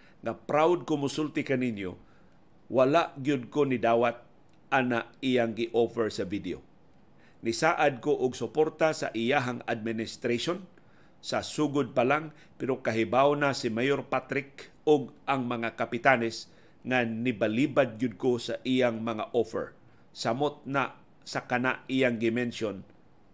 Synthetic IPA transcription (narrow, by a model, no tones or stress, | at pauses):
ŋapɾawd̪̚kʊmʊsʊlt̪ɪkanɪnjo̰ | walaʔɡjʊd̪̚konɪd̪aːwat̪̚ | ʔanaʔijaŋɡɪʔofɛɹsavid̪eo̰ | nɪsaːʔad̪̚koʔʊɡsʊpoɾt̪asa̰ʔɪjaɦaŋad̪̚mɪnɪst̪ɾaʃon | sasuːɡʊd̪̚palaŋ | pɛɾokaɦɪbawnasɪmajoɾpat̪ɾɪk | ʊɡ̚ʔaŋmɐŋakapɪt̪anɛs | ŋanɪbaliːbad̪̚ɡʊd̪̚kosaʔijaŋmɐŋaʔofɛ̰ɹ | samot̪̚na | sakanaʔijaŋɡɪmɛnʃon